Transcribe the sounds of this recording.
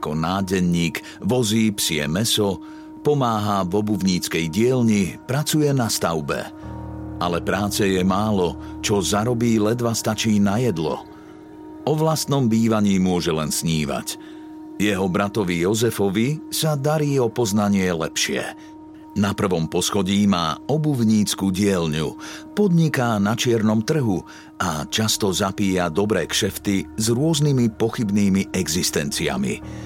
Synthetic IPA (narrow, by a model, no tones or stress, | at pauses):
akɔnaːɟɛɲːiːk | ʋɔziːpsɪɛ̰mɛsɔ | pɔmaːɦavɔbubɲiːt͡skɛjɟɪɛlɲipɾat͡sujɛnast̪aʊbɛ̰ | ʔalɛpɾaːt͡sɛjɛmaːlɔt͡ʃɔzaɾɔbiːlɛd̪ʋast̪at͡ʃiːnajɛd̪lɔ̰ | ɔʋlast̪nɔmbiːʋaɲiːmʊɔʒɛlɛnsɲiːʋa̰c | jɛɦɔbɾat̪ɔʋijɔzɛfɔʋisad̪aɾiːɔpɔznaɲɪɛlɛ̰pʃɪɛ̰ | napr̩ʋɔmpɔsxɔɟiːma̰ːɔbuvɲiːt͡skuːɟɪɛʎɲupɔd̪ɲikanat͡ʃɪɛɾnɔmt̪r̩ɦu | at͡ʃast̪ɔzapiːjad̪ɔbɾɛːkʃɛft̪izɾʊɔznimipɔxibniːmiʔɛɡzist̪ɛnt͡sia̰mḭ